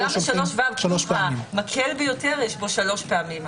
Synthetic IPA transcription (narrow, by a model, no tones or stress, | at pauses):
lamʃaloʃvaʃloʃamakʰelbejo̞te̞ʁjeʃbo̞ʃalo̞ʃpeamim